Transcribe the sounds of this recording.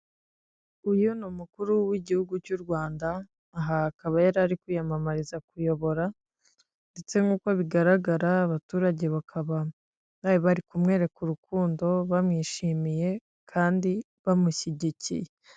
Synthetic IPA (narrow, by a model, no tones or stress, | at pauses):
ujunumukuɾuwiɟihuɡucuɾɡwaːndaː | ɦaːkaβajaɾaɾikujamamaɾizakujo̞βo̞ɾa | ndet͡se̞ŋɡuːkwaβiɡaɾaɡaɾaːβatuːɾaɟe̞βakʰaβa | βaiβaɾikumŋe̞ːɾe̞kuɾukuːndo̞βamŋiːʃimije̞ | kʰaːndi | βamuɕiɟicḭje̞